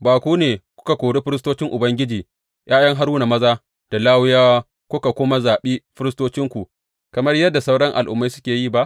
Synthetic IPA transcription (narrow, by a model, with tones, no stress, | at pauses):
baː˨kʷuː˦neː˨kʷʊ̥˦ka˨kʷoː˨ɽe˦ɸɪ˦ɾɪ˦stoː˦t͡ʃɪ˦ŋʔʊ˨bɐ˦ŋɡʲɪ˦d͡ʒiː˨ | jʔaː˦jɐ˦ŋɦa˦ɾuː˦na˨mɐ˦zaː˦ | d̥a˨laː˦wʊ˦jaː˦wa˦ | kʷʊ˦ka˨kʷʊ˦ma˦zaː˨ɓeː˦ɸɪ˦ɾɪ˦stoː˦t͡ʃɪ˦ŋkʷu˨ | kɐ˨mɐ˦rjɐ˦dːa˨sa˦wɽɐ˦ŋʔa̰˨lʔʊ̰˨mːa˦jsʊ˦kʲeː˨jiː˦˨ba˦ʔ